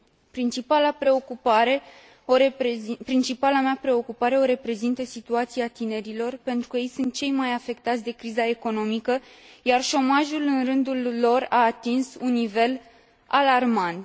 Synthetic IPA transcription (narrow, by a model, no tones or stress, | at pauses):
pɾint͡ʃipalapɾe̞o̞kupaɾe̞ | opɾint͡ʃipalamapɾe̞o̞kupaɾe̞o̞ɾe̞pɾe̞zint̪əsit̪uat̪siat̪ine̞ɾilo̞rpe̞nt̪ɾukəje̞jsunt̪̚t͡ʃe̞jmajafe̞k̚t̪at̪sʲd̪e̞kɾizae̞ko̞no̞mikə | jarʃo̞maʒulɨnrɨnd̪ulːo̞raːt̪insunːive̞l | alarmant̪